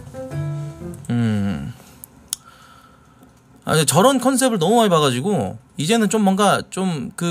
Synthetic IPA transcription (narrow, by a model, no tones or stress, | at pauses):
ɯ | a̰ɲit͡ɕʌɾʌnkʰʌnsʰe̞bɯɭnʌmumaɭpaɣad͡ʑiɡo | id͡ʑe̞nɯnt͡ɕomːʌŋɡat͡ɕ͈omkɯ